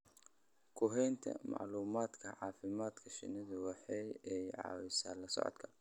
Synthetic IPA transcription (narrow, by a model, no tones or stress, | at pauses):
kʰʊɦɛjnt̪ʰɐ̰mɑ̰ʕluːmaːd̪kʰɐʕɑːfɪmaːd̪kʰɐʃɪ̰nɐðʊwɑħɑjɛjʕɑ̰ːwɪsa̰ːlɐsɔ̰ʕɔ̰d̪kʰɐ